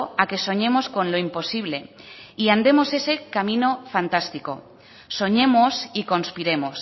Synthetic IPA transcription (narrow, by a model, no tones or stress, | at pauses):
ake̞so̞ɲemosko̞nloimpo̞siβ̞le̞iand̪e̞mo̞se̞se̞kamĩno̞fant̪ast̪iko̰ | so̞ɲe̞mosiko̞nspiɾe̞mos